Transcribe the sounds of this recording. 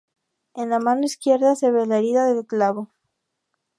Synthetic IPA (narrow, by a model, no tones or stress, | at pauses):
enlamanoiskje̞ɾðase̞βelaeɾiðaðelklaβo